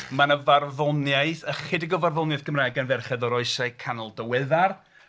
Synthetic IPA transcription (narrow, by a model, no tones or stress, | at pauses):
manəvarvɔnjaɨθəχɪdɪɡɔvarvɔnjaθɡəmraːjɡanvɛrχɛðɔɾɔɨsaɨkʰanɔlˠdəwɛðar